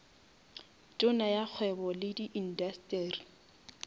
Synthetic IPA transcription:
tʼʊnajak͡xʰwɛbɔlɪdiʔin̩dastʼɛːri

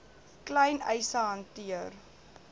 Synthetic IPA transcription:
klɛjnɛjsəɦɐntiər

